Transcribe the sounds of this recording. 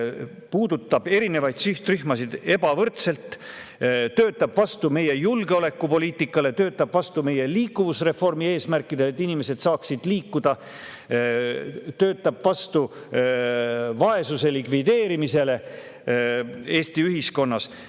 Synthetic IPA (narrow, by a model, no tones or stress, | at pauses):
puːd̪ut̪ːˑɑb̥e̞ɾine̞vɑjd̪̥syht̪ryhmɑsid̪e̞bɑvɤrt̪se̞lt̪ | t̪øːt̪ːˑɑb̥vɑst̪ume̞je̞julɡ̥eo̞le̞kːˑupo̞liːt̪ːˑikːˑɑle̞t̪ø̞ːt̪ːˑɑb̥vɑst̪ume̞je̞liːkːˑuvusre̞fo̞rmie̞ːsmærkːˑid̪̥eːt̪ːˑinime̞se̞d̪sɑːksid̪̥liːkːud̪̥ɑ | t̪ø̞ːt̪ːˑɑb̥vɑst̪u | vɑe̞suse̞likvid̪e̞ːɾimise̞le̞ | e̞ːst̪iyɦisko̞nːɑs